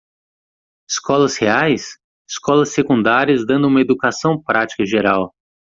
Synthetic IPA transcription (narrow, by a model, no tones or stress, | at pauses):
ɪskɔlɐsheajs | ɪ̥skɔlɐsːekũnd̪aɾiɐzd̪ɐ̃nd̪ʊũmɐed̪ukasɐ̃w̃pɾat͡ʃi̥kɐʒeɾaw